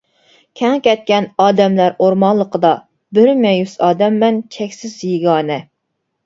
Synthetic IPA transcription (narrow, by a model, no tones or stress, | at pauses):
kʲʰɛŋkʲɛt̪̚kʲɛnɑːd̪ɛmlæɾoɾmɑnlˠːəqʰəd̪ɑ | bɪɾmɛjysɑːd̪ɛmːɛnt͡ʃʲʰɛkʲsɪzjeɡɑːnɛ